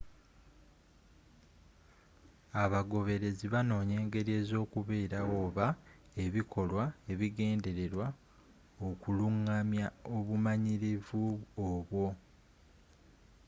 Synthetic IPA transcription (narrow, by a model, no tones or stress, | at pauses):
aβaɡo̞βe̞ɾe̞ziβano̞ːɲe̞ːŋɡe̞ɾie̞ːzo̞ːkuβe̞ːɾawo̞ːβa | e̞βikʰo̞lwae̞βiɡe̞ːnde̞ɾe̞ɾwa | okuluŋːamjao̞βumaɲiɾivuoβwo̞